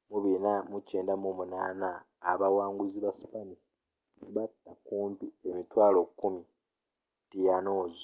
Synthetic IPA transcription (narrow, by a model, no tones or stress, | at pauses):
muβinamuceːndamomunaːnaː | βawaːŋɡuziβasi̥pani | βatːakuːmpiemitwaːlo̞kːumi | tijano̞ːzo